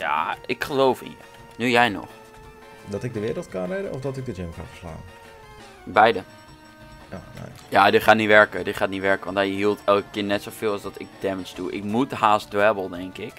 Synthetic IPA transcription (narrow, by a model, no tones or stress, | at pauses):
ja̰ɪkχəlowfḭnə̰ | nyjɛjnɔ̰x | dɔtɪk̚dəʋɪːɾəlˠt̚kɔnrɛdəɔfdɔtɪk̚dəd͡ʒɛmka̰fəsla̰ːn | bɛjdə | janḛjaːdɪtχaːtniʋɛɹkədɪtχaːtniʋɛɹkəʋɑntdajəɦiəlˠtʰɛlˠkəkɪːɹnɛtsowfɪːlˠɑsdɔtɪk̚dɛməsduʔɪ̰kmuthaːsdwɛbəl̩ˠdɛŋkɪk